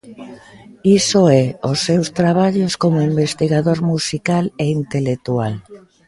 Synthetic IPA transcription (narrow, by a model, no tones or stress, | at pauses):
isoɛosːewst̪ɾaβ̞aʎoskomoimbest̪iɣaðoɾmusikaleint̪elek̚t̪ual